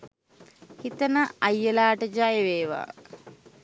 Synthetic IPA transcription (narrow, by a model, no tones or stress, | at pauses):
hit̪ənəajːəlaːʈəd͡ʒajeʋeːʋa̰ː